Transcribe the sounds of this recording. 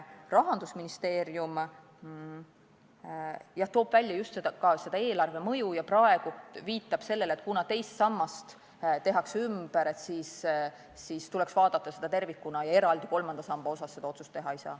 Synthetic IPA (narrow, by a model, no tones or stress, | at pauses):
rɑɦɑnd̪̥usminist̪e̞ːɾjum | jɑht̪o̞ːb̥vælʲːjɑjust̪sed̪ɑkɑse̞d̪ɑe̞ːlɑrve̞mɤ̞jujɑprɑe̞ɡ̥uviːt̪ːˑɑb̥se̞lːe̞let̪̚ˑkunɑt̪e̞jst̪sɑmːɑst̪ | t̪e̞ɦɑksymb̥eɾe̞t̪siːsː | iːst̪ulɛksvɑːd̪̥ɑt̪ˑːɑse̞d̪̥ɑt̪e̞rvikːˑunɑjɑe̞ɾɑld̪̥iko̞lmɑnd̪ɑsɑmb̥ɑo̞sɑsːe̞d̪ɑo̞t̪sust̪ːe̞ɦɑeisɑ̰ː